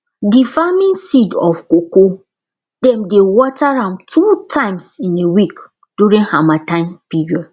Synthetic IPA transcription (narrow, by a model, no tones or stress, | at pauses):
difamĩnsidɔfkoko | dɛ̃mdewɔtaɹãntʰutʰãɪ̃msĩnewik | d̥juɹĩnhamatãnpiɹiɔd